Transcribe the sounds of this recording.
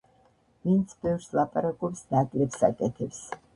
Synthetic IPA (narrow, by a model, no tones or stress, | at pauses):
vint̪sʰbɛvɾslˠapʼaɾakʼɔpsnakʼlɛpsa̰kʼɛt̪ʰɛps